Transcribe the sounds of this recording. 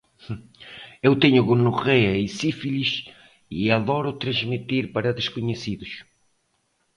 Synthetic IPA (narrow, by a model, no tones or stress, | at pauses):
ewt̪eɲʊɣonuʁeɐisifiʎiʃ | iaðɔɾʊt̪ɾɐ̃ʒmit̪iɾpaɾɐðeʃkuɲesiðʊʃ